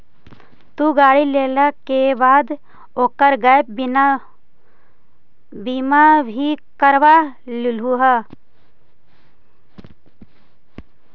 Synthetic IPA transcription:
t̪uɡaːɽileːlakebaːd̪ | oːkəɾɡaːjp̚n | biːmabʱikəɾʋa | lluɦa

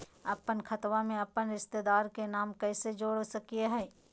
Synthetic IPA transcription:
ɐpənkʰɐt̪ʋamẽɐpənɾɪst̪ed̪aːɾkenaːmkɛːsed͡ʒoːɽsɐkieɦɛː

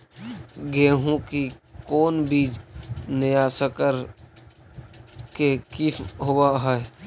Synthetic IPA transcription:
ɡeːɦõkikoːnbiːd͡ʒnɪjaːsəkəɾ | kekisɦowaɦɛe

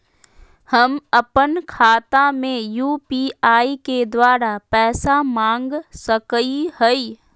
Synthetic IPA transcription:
həməpənkʰaːt̪amẽjuːpiaːiked̪waːɾapɛːsamãːŋɡsəkihəi

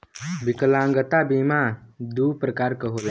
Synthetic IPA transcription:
bikəlãŋɡət̪abimãd̪upɾəkaːɾkəɦobe

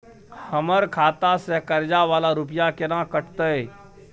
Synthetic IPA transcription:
həməɾkʰat̪asekəɾd͡ʒaʋalaɾupijakenãkəʈʰt̪əj

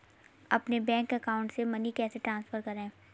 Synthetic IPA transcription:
ɐpnebɛ̃ːŋkɐkaːʊ̃ɳʈsemɐnikɛːseʈɾãːnsfəɾkɐɾẽː

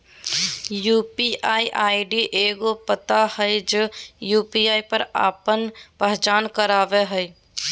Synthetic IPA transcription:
juːpiʔaːiʔaɖiʔeɡopət̪ahəɪd͡ʒejuːpiaːipəɾa̰ːpənpəɦt͡ʃaːnkəɾaːbeɦəɪ

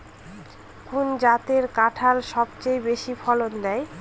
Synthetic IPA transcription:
kʰund͡ʑat̪eɾkaʈʰalʃɔbt͡ɕejbeʃifɔlond̪ɛe

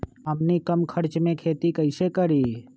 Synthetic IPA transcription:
ɦəmnikəmkʰəɾt͡ʃmẽkʰeːt̪ikəɪsekəɾiː

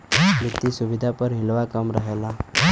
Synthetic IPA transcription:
mit̪ːisuʋid̪ʱapəɾɦilʋakəmɾəɦela

